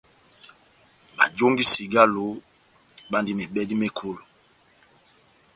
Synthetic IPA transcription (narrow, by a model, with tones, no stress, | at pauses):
ɓa̰˨d͡ʒo˦ŋɡi˦si˨ɡa˦lo˨˦ | ɓa˦ndi˦me˨ɓɛ˦di˦me˦kʰo˦lo˨